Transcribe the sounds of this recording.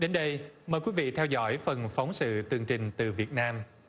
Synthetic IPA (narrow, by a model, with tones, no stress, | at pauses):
ɗe˨˦nɗə˧jməː˨˩jkwi˨˦˥vḭ˧˨t̪ʰɛ˧wzɔ̰˧˥jfə˨˩nfa˨˦wŋ͡msɨ̰˧˨t̪ɨ˨˩əŋt͡ɕï˨˩ŋ̟t̪ɨ˨˩vi˨˩ət̚naː˧m